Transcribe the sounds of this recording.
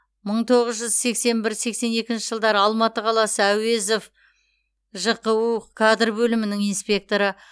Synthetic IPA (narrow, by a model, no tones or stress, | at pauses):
məɴt̪ʰo̞ʁəzʒʏzse̞kse̞nbɪɾse̞kse̞ne̞kʲɪnʃɪʒəlˠd̪ɑɾəɑlˠmɑt̪əqʰɑlˠɑsəæwe̞zof | ʒəqəukʰad̪rbɵlɪmɪnɪŋijnspʲe̞k̚t̪o̞ɾə